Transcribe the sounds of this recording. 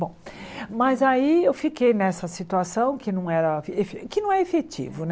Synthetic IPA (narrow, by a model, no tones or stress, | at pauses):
bõw̃mɐzaiewfikejnɛsɐsit̪uasɐ̃w̃kɪnɐ̃w̃ɛɾɐefekɪnɐ̃w̃ɛefet͡ʃḭvʊn